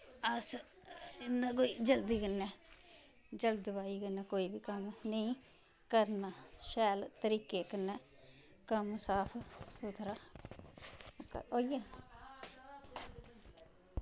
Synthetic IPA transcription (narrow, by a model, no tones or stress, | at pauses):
əs | ɪnːãːk̬oːiːd͡ʒəld̪iːkənːɛː | d͡ʒəld̪baːiːkənːɛːkoːiːbiːkəmnəĩː | kəɾnaːʃɛːlt̪əɾiːkeːkənːɛː | kəmsaːpʰsot̪ʰɾaː | koːijə